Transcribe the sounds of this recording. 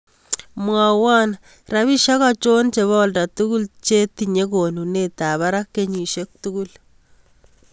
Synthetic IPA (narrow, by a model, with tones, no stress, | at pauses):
mwa˨wa˦n | ra˦βi˦ʃa˦kɔ˦t͡ʃo˦nt͡ʃe˨βɔ˦lda˨tu˦ku˦lt͡ʃe˦ti˨ɲe˦ko˨nu˨ne˨ta˨βa˦ɾa˦kːe˦ɲi˨ʃe˦k̚tu˦ɡu˦l